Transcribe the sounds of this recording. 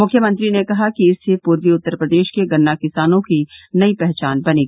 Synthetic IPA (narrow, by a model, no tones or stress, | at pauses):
mʊkʰːjəmɐ̃nt̪ɾinekɐɦakiɪsːepuːɾʋiʊt̪ːəɾpɾɐd̪eːʃkeɡɐnːakɪsaːnõkinɐipɛɦt͡ʃaːnbɐneːɡii